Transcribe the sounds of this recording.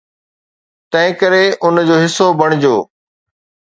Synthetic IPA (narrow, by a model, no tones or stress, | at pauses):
t̪ɐ̃ɦɪ̃kəɾeʔʊnd͡ʑoːɦɪsobʱɐɽ̃ɪd͡ʑoː